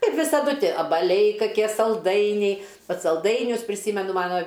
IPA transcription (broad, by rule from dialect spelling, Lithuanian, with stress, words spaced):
ˈkɐɪp ʋʲɪsɐˈdʊ ˈtʲiɛ ɐbɐˈlʲɛɪ kɐˈkʲiɛ sɐlˠˈdɐɪnʲɛɪ ˈbʲɛt sɐlˠˈdɐɪnʲʊs pʲrʲɪˈsʲiːmʲɛnʊ ˈmɑːnoː